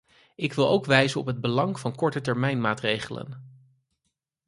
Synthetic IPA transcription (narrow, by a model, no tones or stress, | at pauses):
ɪkʋɪlˠowkʋɛjzənɔ̰pɦəd̚bəlɑŋvɑnkɔɹtətɛɹmɛjnmaːtrejχələ̰n